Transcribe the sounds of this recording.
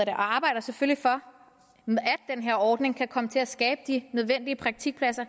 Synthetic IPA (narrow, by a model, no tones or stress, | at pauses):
ɐɾeʔɒɑ̈ːb̥ɑ̈ɪ̰d̥ɐsefølifɒ̽ | æd̥̚ːenɦe̝ɐ̰ɒːd̥ne̝ŋkʰækʰɒ̽mət͡sʰe̝æsɡ̥ɛːb̥əd̥inøð̞ˠʋen̰d̥iəpʰʁɑ̈ɡ̥̚t͡sʰiɡ̥̚pʰlæsɐ